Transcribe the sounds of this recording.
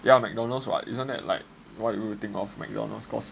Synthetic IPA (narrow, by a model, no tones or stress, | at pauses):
jamɛk̚dɔ̃nəlsɹa̰tḭsə̃ndɛ̰t̚la̰ɪk̚ | watjuit̪ĩŋkɔfmɛ̰k̚dɔ̰nə̰lskɔ̰s